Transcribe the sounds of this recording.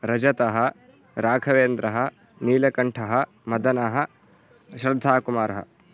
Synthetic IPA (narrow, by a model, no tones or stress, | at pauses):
ɾɐd͡ʒɐt̪ɐɦɐ | ɾaːɡʰɐʋeːnd̪ɾʔɐɦɐ | niːlɐkɐɳʈʰɐɦɐ | mɐd̪ɐnɐɦɐ | ʃɾɐd̪ʱːaːkumaːɾɐɦɐ̰